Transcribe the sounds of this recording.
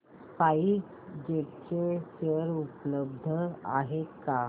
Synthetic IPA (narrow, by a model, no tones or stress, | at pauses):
paik | d͡ʑeʈt͡ɕeɕəɾupləb̚d̪ʱəa̰ɦeka